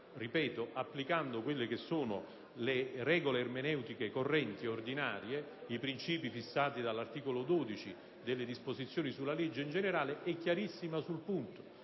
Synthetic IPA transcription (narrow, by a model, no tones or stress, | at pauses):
ripɛːt̪oʔapːlikand̪okwelːek̟esːoːno | lerɛːɡoleːrmenɛwt̪ikekorːɛnt̪iord̪inaːɾje | ipɾint͡ʃiːpifisːaːt̪id̪alːart̪iːkolod̪oːd̪it͡ʃi | d̪elːed̪ispozit̪sːjoːnisulːaled͡ʒːeind͡ʒeneɾaːleʔɛkːjaɾisːimasulpunt̪o̥